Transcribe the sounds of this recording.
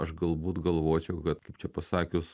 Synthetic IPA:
ɐʃɡɐlˠbuːt̪ɡɐlˠʋoːt͡ʃʲɛʊkɐt̪kɐɪpt͡ʃʲɛpɐsɑːkʲʊs

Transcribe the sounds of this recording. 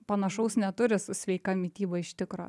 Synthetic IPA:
pɐnɐʃɐʊsnʲɛt̪ʊɾʲɪsʊsʲʋʲɛɪkɐmʲɪt̪ʲiːbɐɪʃʲt̪ʲɪkɾo̰

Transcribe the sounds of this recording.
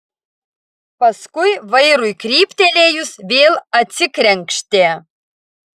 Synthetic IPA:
pɐskʊjʋɐɪɾʊjkɾʲiːpʲt̪ʲɛlʲeːjʊsʋʲeːlˠɐt̪ʲsʲɪkɾʲɛŋʲkʃʲt̪ʲeː

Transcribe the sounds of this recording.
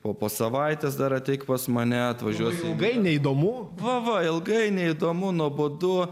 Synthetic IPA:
poːpoːsɐʋɐɪt̪ʲɛsd̪ɐɾɐt̪ʲɛɪkpɐsmɐnʲɛɐt̪ʋɐʒʲuɔsʲlˠɡɐɪnʲɛid̪oːmʊʋɐʋɐɪlˠɡɐɪnʲɛɪd̪oːmʊnuɔboːd̪ʊ

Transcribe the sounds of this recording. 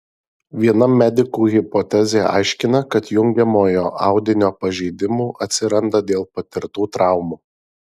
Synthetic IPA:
ʋʲiɛnɐmːʲɛd̪ʲɪkuːɣʲɪpɔt̪ʲɛzʲeːɑ̰ɪʃʲkʲɪnɐkɐt̪jʊŋʲɡʲɛmoːjoːʔɑˑʊd̪ʲɪnʲoːpɐʒʲɛɪd̪ʲɪmuːʔɐt̪ʲsʲɪɾɐnd̪ɐd̪ʲeːlˠpɐt̪ʲɪɾt̪uːt̪ɾɑˑʊmuː

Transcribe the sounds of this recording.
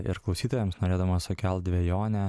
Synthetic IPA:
ɪ̰ɾklˠɐʊsʲiːt̪oːjɛmsnoːɾʲeːd̪ɐmɐsʊkʲɛlˠt̪̚d̪ʲʋʲeɛjoːnʲɛ

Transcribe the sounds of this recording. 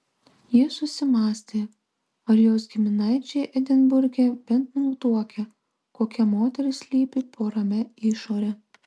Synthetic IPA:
jiɛsʊsʲɪmɑːsʲt̪ʲeː | ɐɾjoːsɡʲɪmʲɪnɐɪt͡ʃʲɛjʔɛd̪ʲɪnbʊɾʲɡʲɛbʲɛnt̪nuːt̪uɔkʲɛ | koːkʲɛmoːt̪ʲɛɾʲɪsʲlʲiːpʲɪpʰoːɾɐmʲɛɪʃoːɾʲɛ

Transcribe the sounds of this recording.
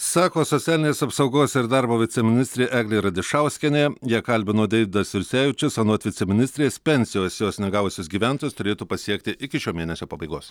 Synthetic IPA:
sɑːkoːsɔt̪ʲæːlʲɪnʲeːsɐpsɐʊɡoːsɪɾd̪ɑɾboːʋʲɪt̪sʲɛmʲɪnʲɪsʲt̪ʲɾʲeːʔæːɡlʲeɪɾɐd̪ʲɪʃɐˑʊsʲkʲɛnʲeːjiɛkɐlʲbʲɪnoːd̪ʲɛɪʋʲɪd̪ɐsʋʲɪɾʲsʲæːʋʲɪt͡ʃʲʊsɐnoɔt̪ʲʋʲɪt̪sʲɛmʲɪnʲɪsʲt̪ɾʲespʲɛnʲsʲɪjoːsjoːsnʲɛɡɑːʋʊsʲʊsɡʲiːʋʲæˑnt̪ojst̪ʊɾʲeːt̪uːpɐsʲiɛk̚t̪ʲɪʔɪkʲɪʃʲoːmʲeːnʲɛsʲoːpɐbɐɪɡoːs

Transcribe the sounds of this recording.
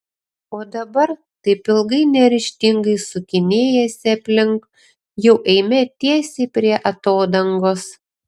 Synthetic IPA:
oːd̪ɐbɐɾ | t̪ɐɪpɪlˠɡɐɪnʲɛɾʲɪʃʲt̪ʲɪŋɡɐɪsʊkʲɪnʲeːjɛsʲɛpʲlʲɪŋk | jɛʊʔɛɪmʲɛt̪ʲiɛsʲeːpʲɾʲiɛʔɐt̪oːd̪ɐŋɡoːs

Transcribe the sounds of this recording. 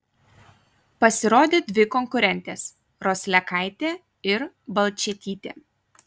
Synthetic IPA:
pɐsʲɪɾoːd̪ʲeːd̪ʲʋʲɪkɔŋkʊɾʲɛnʲt̪ʲes | ɾoːsʲlʲɛkɐˑɪt̪ʲeː | ɪɾ | bɐlˠʲt͡ʃʲɛt̪ʲiːt̪ʲḛː

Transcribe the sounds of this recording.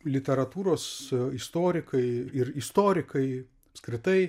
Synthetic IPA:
lʲɪt̪ʲɛɾɐt̪uːɾoːsɪst̪oːɾʲɪkɐɪɪɾɪst̪oːɾʲɪkɐɪ | ɐpskɾʲɪt̪ɐɪ

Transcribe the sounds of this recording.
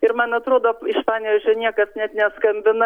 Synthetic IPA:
ɪɾmɐnɐt̪ɾoːd̪oːɪʃpɑːnʲɛzʒʲʊnʲiɛkɐsnʲɛt̪nʲɛskɐmʲbʲɪnɐ

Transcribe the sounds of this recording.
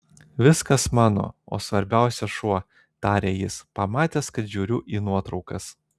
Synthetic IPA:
ʋʲɪskɐsmɑːno̰ːo̰ːsʋɐɾʲbʲæˑʊsʲɛʃuɔ | t̪ɑːɾʲeːjɪspɐmɑːt̪ʲeːskɐt̪ʒʲuːɾʲʊʔiːnuɔt̪ɾɒʊkɐs

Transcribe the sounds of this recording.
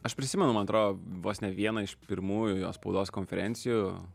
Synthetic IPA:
ɐʃpʲɾʲɪsʲɪmʲɛnʊmɐnɐt̪ɾoːdoːʋoːsnʲɛʋʲiɛnɐɪʃpʲɪɾmuːjʊjoːspɐʊd̪oːskonʲfʲɛɾʲɛnʲtsʲɪjuː

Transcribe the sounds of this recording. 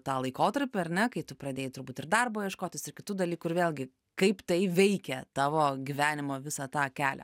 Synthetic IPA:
t̪ɑːlˠɐɪkoːt̪ɐɾʲpʲɪɐɾʲnʲɛkɐɪt̪ʊpɾɐd̪ʲeːjɪt̪ʊɾbuːt̪ɪrd̪ɐrboːjɛʃkoːt̪ʲɪsɪrkʲɪt̪uːd̪ɐlʲiːkʊɪɾʋʲeːlʲɡʲɪ | kɐɪpt̪ɐɪʋʲɛɪkʲɛt̪ɑːʋoːɡʲiʋʲæːnʲɪmoːʋʲɪsɑt̪ɑːkʲæːlʲɛ̰

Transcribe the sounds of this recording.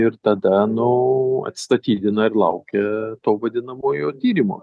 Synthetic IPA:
ɪɾt̪ɐd̪ɐnʊɐ̰t̪st̪ɐt̪ʲiːd̪ʲɪnɐɪrlˠɐ̰ʊkʲɛt̪oːʋɐd̪ʲɪnɐmoːjoːt̪ʲiːɾʲɪmo̰ː

